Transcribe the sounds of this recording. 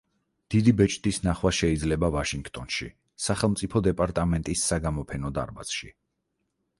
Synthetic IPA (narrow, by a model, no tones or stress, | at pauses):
d̪̥id̪ibɛt͡ʃʼt̪ʼisnaχwaʃɛid̪zlɛbavaʃiŋɡt̪ʼɔnʃḭ | saχɛlˠmt̪sʼipʰɔd̪ɛpʼaɾt̪ʼamɛnt̪ʼisːaɡamɔpʰɛnɔd̪a̰ɾba̰sʃḭ